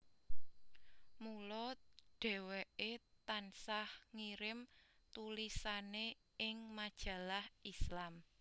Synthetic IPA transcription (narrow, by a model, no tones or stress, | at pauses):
mulɔɖ̥ɛ̤weʔet̪ansahŋiɾɪmt̪ulisane | ɪŋmad̥ʒ̥ä̤lahʔislam